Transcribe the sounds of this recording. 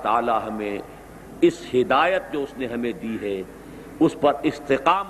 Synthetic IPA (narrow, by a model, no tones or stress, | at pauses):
t̪a̰ːlaɦɐmẽ | ɪshɪd̪aːjət̪̚d͡ʒoːʊsneɦɐmẽd̪iːɦɛ | ʊspɐɾɪst̪ɪqaːm